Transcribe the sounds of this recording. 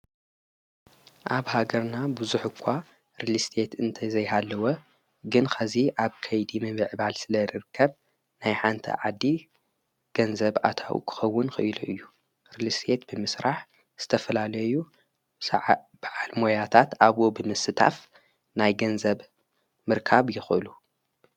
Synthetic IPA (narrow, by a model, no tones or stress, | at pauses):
ʔaβhaɡɐɾnabuzuħʊkʷʰːa | ɾilist̪ʰe̞t̪ɨnt̪ʰɐjzɐjɦalːɐwo | ɡɨnxʰɐziʔaβkʰɐjd̪imɨβɨʕbalsɨlɐɾɨɾɨkʰːɐβ | najħant̪ʰɐ̰ʕad̪ːi | ɡ̥ɐnzɐβʕa̰t̪ʰa̰wṵkʰɨ̥xɐwːʊnxɨʔɨluʔɨjːu | ɾilist̪ʰe̞t̪bɨmɨsɾaħ | z̥ɨt̪ʰɐfɐlalɐjju | sʕb̥aʕalmo̞jat̪ʰat̪ʔaβobɨmɨsɨt̪ʰa̰f | najɡɐnzɐβ | mɨɾkʰaβjɪxʔɨlu